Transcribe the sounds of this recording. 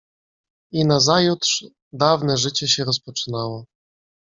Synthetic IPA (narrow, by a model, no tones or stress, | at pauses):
inazajut̪ʂ | d̪avnɛʐɘt͡ɕɛɕɛɾɔspɔt͡ʂɘ̥nawɔ